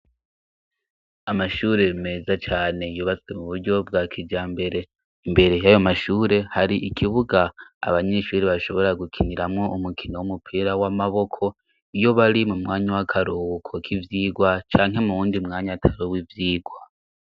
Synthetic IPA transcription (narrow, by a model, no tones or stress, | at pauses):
amaʃuːɾe̞meːzat͡ʃaːne̞juːβat͡sɡwemuβuɾɟo̞b̚ɡakʰid͡ʒaːmbe̞ɾe̞ | imbe̞ɾe̞jajo̞maʃuːɾe̞haɾiʔikʰiβuɡa̰ːβaɲe̞ʃuːɾeβaʃo̞βo̞ɾaɡukʰiniɾamŋo̞umukʰinowumupʰiɾawamaβo̞kʰo̞ | ijo̞βaɾimumŋaːɲawakʰaɾuːkʰo̞kʰivjiːɡwat͡ʃaːŋɦe̞muβuːndimŋaːɲatʰaβowivjiːɡwa